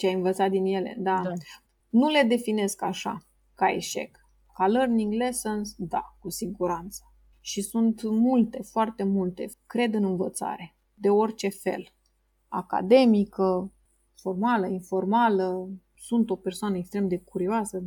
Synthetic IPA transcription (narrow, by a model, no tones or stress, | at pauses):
t͡ʃeajɨnvət̪sat̪̚d̪inje̞le̞̰d̪a | nule̞d̪e̞fine̞skaʃa̰ | kaḛʃe̞̰k | kalərniŋɡlesənsd̪a̰kusiɡuɾant̪sə̥ | ʃisunt̪mult̪e̞foart̪e̞mult̪e̞̰kɾe̞d̪ɨnɨnvət̪sa̰ɾe̞ | d̪e̞o̞rt͡ʃe̞fe̞̰l | a̰ka̰d̪e̞mikə | fo̞rmaləinfo̞rmalə | sunt̪o̞pe̞rsoanəekst̪ɾe̞md̪e̞kuɾioasə